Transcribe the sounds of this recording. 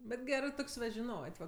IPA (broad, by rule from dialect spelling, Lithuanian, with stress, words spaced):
bʲɛt ˈɡʲæːrɜ ˈtoːkʲsʲ ʋɐ ʒʲɪˈnoːtʲ ʋɐ